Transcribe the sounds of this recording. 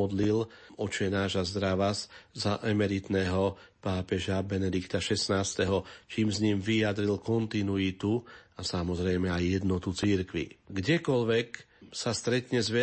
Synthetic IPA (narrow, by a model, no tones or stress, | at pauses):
ɔd̪lilɔt͡ʃɛnaːʒazd̪ɾaʋaszaʔɛmɛɾit̪nɛːɦɔ | paːpɛʒabɛnɛd̪ikt̪aʃɛsnaːst̪ɛɦɔt͡ʃiːmzɲimʋijad̪ɾilkɔnt̪inuit̪uasamɔzɾɛjmɛajːɛd̪nɔt̪ut͡siɾkʋḭɡɟɛkɔlʋɛk | sast̪ɾɛt̪ɲɛzʋɛ